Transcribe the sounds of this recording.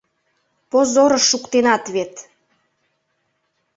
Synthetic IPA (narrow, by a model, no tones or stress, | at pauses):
pozoɾəʃːukt̪enɑt̪βet̪